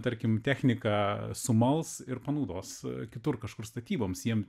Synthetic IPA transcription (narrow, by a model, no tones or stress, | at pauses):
t̪ɐɾʲkʲɪmt̪ʲæːxʲnʲɪkɑːsʊmɐlˠsɪrpɐnɐʊd̪oːskʲɪt̪ʊrkɐʃkʊrst̪ɐt̪ʲiːboːmsjiɛm